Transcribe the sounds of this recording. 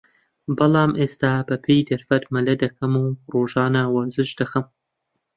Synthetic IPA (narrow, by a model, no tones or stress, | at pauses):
bɐlɑːmʔeːst̪aːbɐpʰejd̪ɐɾfɐt̪mɐlɐd̪ɐkʰɐmuroːʒɑːnawɐzɨʃd̪ɐxɐm